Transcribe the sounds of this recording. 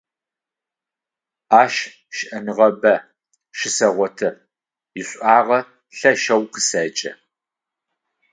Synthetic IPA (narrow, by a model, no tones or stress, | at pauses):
aːʃ | ʃɪʔɐnɨʁɐbɐ | ʃɪsɐʁʷɔtʰɐ | jɪɕʷʼaːʁɐ | ɬɐʃɐwqəsɐt͡ʃʼɐ̰